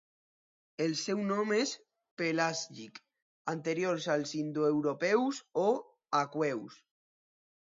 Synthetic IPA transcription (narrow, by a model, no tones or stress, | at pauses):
elsɛwnɔ̃mes | pelasʎik | ant̪eɾjoɾsalsind̪oewɾopɛwso | akwɛws